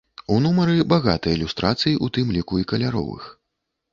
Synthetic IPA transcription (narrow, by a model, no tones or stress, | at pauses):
unumɐɾɨbaɣa̰t̪ɨjɐilʲust̪ɾat̪sɨjiʔut̪ɨmlʲikuikɐlʲaɾɔ̰vɨ̰x